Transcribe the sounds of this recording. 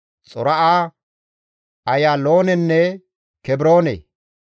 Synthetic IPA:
t͡sʼɔɾɐʔaː | ɐjaːlo̞ːnɛnːɛ | kɛbɾo̞ːnḛ

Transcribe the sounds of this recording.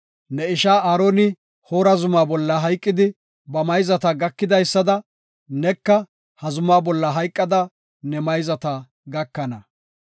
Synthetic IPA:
nɛɪʃaːaːɾoːnɪ | ho̞ːɾɐzʊmaːbɔlːɐɦɐjkʼːɪd̪ɪ | bɐmɐjzɐt̪ɐɡɐkːɪd̪ɐjsːɐd̪ɐ | nɛkːɐ | hɐzʊmaːbɔlːɐɦɐjkʼːɐd̪ɐ | nɛmɐjzɐt̪ɐ | ɡɐkːɐnɐ

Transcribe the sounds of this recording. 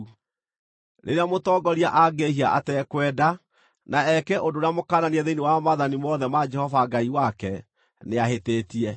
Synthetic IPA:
ɾʔḛɾeamotɔɡɔɾiaʔaɡehiaʔa̰tɛkwɛda | naɛkɛʔondoɾeamokaːnaniɛðeinewamaðanimɔðɛmad͡ʒɛhɔvaɡaiwakɛ | neaɦeteːtiɛ

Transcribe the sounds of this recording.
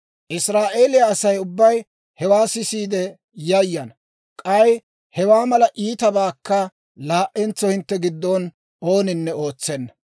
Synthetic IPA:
ʔɪsɾaːʔe̞ːlɪjɐːsɐjʊbːɐj | hɛwaːsɪsiːd̪ɛ | jɐjːɐn | kʼɐj | hɛwaːmɐlɐʔiːt̪ɐbaːkːɐ | laːʔːɛnt͡sːɔhɪnt̪ːɛɡɪd̪ːon | o̞ːnɪnːɛo̞ːt͡sːɛnːɐ

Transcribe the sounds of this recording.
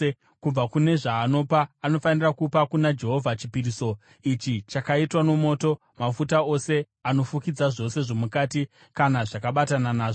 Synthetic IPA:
kumb͡vakune̞ʐaːno̞paːno̞fanirakupakunad͡ʒe̞ɦo̞vʱat͡ʃipiɾiso̞ | it͡ʃit͡ʃakaitwano̞mo̞ːto̞ | mafutao̞se̞ | ano̞fukid͡zaʐo̞se̞ʐo̞mukaːti | kanaʐakaɓatananaːʐo

